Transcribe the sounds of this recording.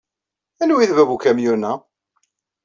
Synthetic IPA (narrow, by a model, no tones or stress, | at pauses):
ænwiðvævukæmjunæ